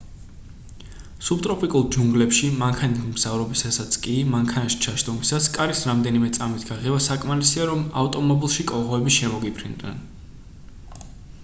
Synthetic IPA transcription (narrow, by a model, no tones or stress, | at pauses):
sub̚t̪ʼɾɔpʼikʼulˠd͡ʒuŋɡlɛpʃimaŋkʰanimz̥avɾɔbisasat̪sʰkʼimaŋkʰanaʃi̥t͡ʃʰaʃt̪ʼɔmisaskʼaɾisɾamd̪ɛnimɛt̪sʼamit̪ʰɡaʁɛbasakʼmaɾisiaɾɔma̰ft̪ʼɔmɔbilˠʃikʼɔʁɔɛbiʃɛmɔɡipʰɾind̪nɛ̰n